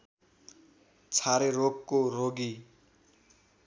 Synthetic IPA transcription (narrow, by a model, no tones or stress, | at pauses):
t͡sʰaɾerokkoroɡi